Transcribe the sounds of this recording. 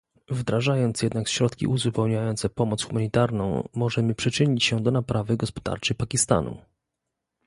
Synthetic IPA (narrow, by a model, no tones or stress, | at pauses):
vd̪ɾaʐajɔnt̪sjɛd̪̚nakɕɾɔt̪kʲḭʔuzupɛwɲajɔnt̪sɛpɔmɔt̪sxumaɲit̪aɾnɔ̰̃w̃mɔʐɛmɘpʂɘt͡ʂɘɲit͡ɕɕɛd̪ɔnapɾavɘɡɔspɔ̥d̪a̰ɾt͡ʂɘpakʲist̪a̰nṵ